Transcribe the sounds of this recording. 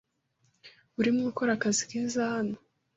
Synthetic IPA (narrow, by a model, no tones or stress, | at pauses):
uɾimŋiko̞ɾakazikiːzahano